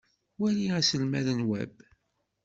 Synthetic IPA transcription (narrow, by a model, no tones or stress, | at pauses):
wæliæsəlmæðənwæ̰b